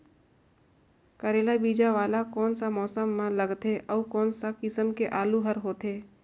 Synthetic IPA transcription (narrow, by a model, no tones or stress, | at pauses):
kəɾeːlabiːd͡ʒaʋaːlakɔːnsamɔːsəmːãləɡt̪eʔəukɔːnsakɪsəmkeʔaːluɦəɾɦoːt̪ɦeː